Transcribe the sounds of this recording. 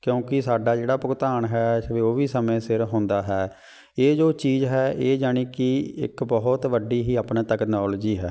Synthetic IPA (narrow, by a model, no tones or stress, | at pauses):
kjõːkɪsaːɖaːd͡ʒeːɽaːpʊkt̪aːɳɦɛːʋeːoːʋiːsəmẽːsɪɾɦõːnd̪aːɦɛː | eːd͡ʒoːt͡ʃiːzɦɛːʔeːd͡ʒaːɽ̃iːkɪɪ̰kbɔːt̪ʋəɖiːɦiːaːpnẽːt̪əknɔːld͡ʒiːɦɛː